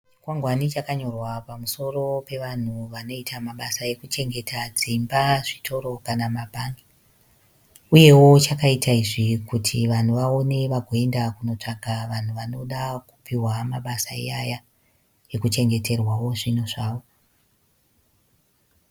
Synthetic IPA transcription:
t͡ʃi̥kwaŋɡwanit͡ʃakaɲo̞rwapamuso̞ro̞pe̞ʋan̤uʋano̞itʰamaɓasae̞kut͡ʃe̞ŋɡe̞tʰad͡zimbaʐitʰo̞ɾo̞kanamabʱaŋɡi | uje̞wo̞t͡ʃakaitaiʐikutʰiʋan̤uʋao̞ne̞ʋaɡʱoe̞ndakuno̞t͡ʂaɡʱaʋan̤uʋano̞ɗaku̥piwamaɓasaḭaja | e̞kut͡ʃe̞ŋɡe̞te̞rwawo̞ʐinoʐaːʋo̞

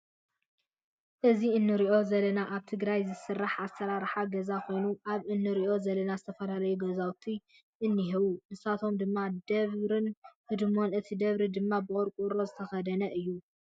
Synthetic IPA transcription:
ʔɨziɨnːɨɾiʔo̞zɐlɐnaʔaβt̪ʰɨɡɾajzɨsɨrːaħʔasɐɾaɾħaɡɐzakʰo̞jnuʔaβɨnːɨɾiʔo̞zɐlɐnazɨt̪ʰɐfɐlalɐjuɡɐzawt̪ʰi | ʔɨnːɨɦɨβunɨsat̪ʰo̞md̪ɨmːad̪ɐβɾɨnhɨd̪mo̞nɨt̪ʰid̪ɐβɾid̪ɨmːabɨʔʼoɾkʼuɾo̞zɨt̪ʰɐxɐd̪ɐnɐʔɨjːu

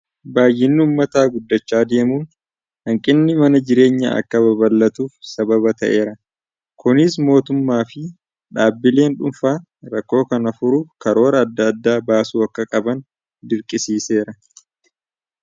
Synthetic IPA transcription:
baːjːɪnːɪʊːmːɐt̪aːɡʊd̪ːɐt͡ʃːaːd̪e̞ːmuːn | hɐŋkʼɪnːɪmɐnɐd͡ʒɪɾe̞ːɲːɐɐ̰kːɐbɐbɐlːɐt̪uːfsɐbɐβɐt̪ɐ̰ʔe̞ːɾɐ | kʊnɪs̬mo̞ːt̪ʊmːaːfɪ | ᶑaːbːɪle̞ːnᶑʊnfaː | ɾɐkːo̞ːkɐnɐfʊɾukɐɾo̞ːɾɐɐd̪ːɐːd̪ːaːbaːsuːɐkːɐkʼɐbɐn | d̪ɪɾkʼɪsiːse̞ːɾɐ

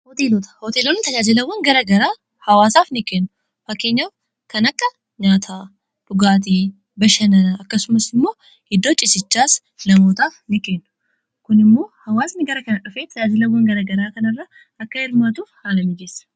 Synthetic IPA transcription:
hot̪eːlot̪ʰɐ̥hot̪elonɪt̪ʰɐjaːd͡ʒɪlɐwːɔnɡɐɾɐɡɐɾaː | hɐwaːsaːfnɪkːeːnːʊ | fɐkːeɲːaw | kɐnɐkʼːɐ | ɲaːt̪ʰa | bʊɡaːt̪̬i | bɐʃɐnɐɐkːɐsʊmɐsɪmːo̞ː | ɪd̪ːot͡ʃʼɪsɪt͡ʃːaːs | nɐmoːt̪aːfnɪkːeːnːʊ̥ | kʊnɪmːoːhɐwaːsnɪɡɐɾɐkɐnʼːɐfeːt̪ʰːɐjaːd͡ʒɪlɐwːɔnɡɐɾɐɡɐɾaːkɐnɐrːɐ | ʔɐkːɐjɪɾmat̪uːfhaːlɐmɪd͡ʒeːs

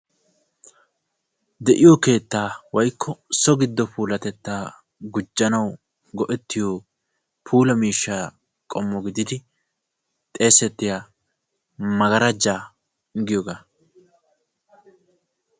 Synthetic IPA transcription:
d̪ɛʔɪjɔke̞ːt̪ːaːwɐjkʰːɔsɔɡɪd̪ːɔpʰuːlɐt̪ɛt̪ːaː | ɡʊd͡ʒːɐnɐw | ɡɔʔɛt̪ːɪjoː | pʰuːlɐmiːʃːa | kʼɔmːɔɡɪd̪ɪd̪ɪ | t̪ʼe̞ːsɛt̪ːɪja | mɐɡɐɾɐd͡ʒaː | ŋɡɪjɔɡaː

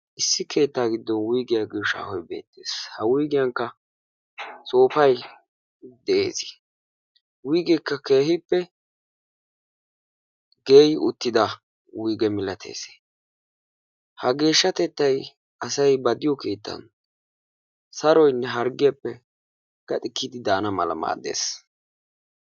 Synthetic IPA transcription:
ʔɪsːɪkʰe̞ːt̪ːaːɡɪd̪ːɔnwʊjɡɪjaɡɪʃa̰ːhɔjbe̞̰ːt̪ːḛːshɐwʊjɡɪjɐŋkːɐ | so̞ːfɐj | d̪ɛḛːzɪ̥ | wʊjɡɪkːɐke̞ːɦhɪpːɛ | ɡe̞ːjʊ̰t̪ːɪd̪ɐ | wʊjɡɛmɪlɐt̪ʰe̞̰ːse̥ː | hɐɡe̞ːʃːɐt̪ɛt̪ːɐj | ɐsɐjbɐd̪ɪjɔkeːt̪ːɐ̰n | sɐɾɔjnːɛɦɐɾɡɪjɐpːɛ | ɡ̥ɐt̪ʼɪkːid̪ɪd̪aːnɐmɐ̰lɐ̰ma̰ːd̪e̞̰ːs

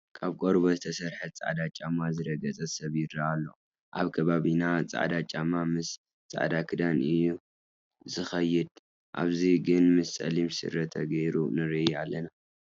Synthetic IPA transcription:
kʰaβkʼoɾbozɨt̪ʰɐsɐɾħɐt̪̚t͡sʼa̰ʕd̪at͡ʃʼamazɨɾɐɡɐt͡sʼɐsɐβjɪdɾaːlːo̰ | ʔa̰βkʰɐβaβinat͡sʼa̰ʕd̪at͡ʃʼamamɨs | t͡sʼa̰ʕd̪akʰɨd̪anɨjːu | zɨxɐjɪd̪ | ʔa̰βziɡɨnmɨssʼɐ̰limsɨ̰ɾɐt̪ʰɐɡɐjɾunɨɾiʔalːɐna

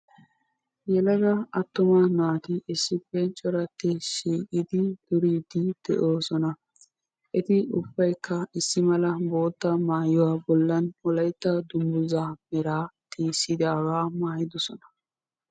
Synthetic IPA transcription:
jɛlɐɡɐɐt̪ːʊmɐnaːt̪ɪʔɛsːɪpːɛt͡ʃʼːɔɾɐt̪ːɪʃiːkʼɪd̪ɪd̪̥ʊɾiːd̪ɪd̪̥ɛ̰ʔoːsɔnɐ | ʔɛt̪ɪʊbːɐjkːɐɪsːɪmɐlɐboːt̪ːɐmaːjɔwaːbɔlːɐnɔlɐjt̪ːɐd̪ʊmbʊzaːmɛɾaːt̪ʰiːsɪd̪aːwaːmaːjɪd̪ɔsɔnɐ̥

